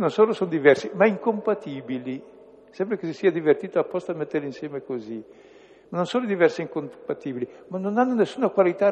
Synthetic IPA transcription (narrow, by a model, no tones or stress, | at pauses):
nonsoːlosond̪ivɛrsimaiŋkompat̪iːbili | sɛmbɾakesisiːad̪ivert̪iːt̪oapːɔst̪oamet̪ːeɾlinsjɛːmekozi | manonsoːnlod̪ivɛrsiiŋkompat̪iːbilimanːonanːonesːuːnakwalit̪a